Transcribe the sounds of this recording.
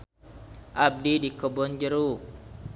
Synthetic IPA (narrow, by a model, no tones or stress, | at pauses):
ʔab̚didikəbɔnd͡ʒəɾu